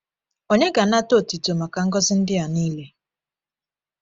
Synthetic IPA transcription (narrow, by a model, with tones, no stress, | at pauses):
o˦ɲe˦ɡa˨na˦to˦˨ti˨to˨ma˨ka˨ŋ̩˦ɡɔ˦zɪ˦n̩˦dɪ˦a˨niː˦le˦